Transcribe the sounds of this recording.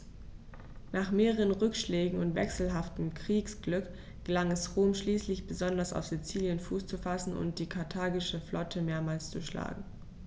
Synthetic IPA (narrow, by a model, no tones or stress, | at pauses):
naːχmeːʁəʁənʁʏkʃleːɡŋ̩ʊntv̥ɛ̰ksl̩ɦaftəm̩kʁ̥iːksɡ̥lʏk | ɡ̥əlaŋɛsʁoːmʃliːslɪçb̥əzɔndɐsa̰ʊfz̥it͡siːljənfuːst͡sufasn̩ʊ̰nt̚d̥iːkʰaɐtʰaːɡɪʃəflʔɔtʰəmeːɐmaːlst͡sṵʃla̰ːɡŋ̩